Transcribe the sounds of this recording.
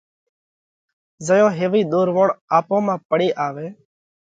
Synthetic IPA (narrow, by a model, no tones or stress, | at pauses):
zəjõːɦeːʋiːɗ̪oːɾʋoːɽaːpõːmãːpəɽeːʔaːʋeː